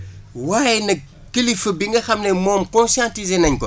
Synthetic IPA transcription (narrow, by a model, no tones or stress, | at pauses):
waːjɛnɐ | kəlifəbiŋɡɐxɐmnɛmɔːmkɔ̃nsjãntizenɐɲkɔ